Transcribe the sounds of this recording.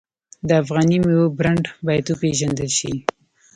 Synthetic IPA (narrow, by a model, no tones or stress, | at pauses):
d̪əafɣɑnimwobɾaɳɖbɑjad̪opeʒand̪əlʃi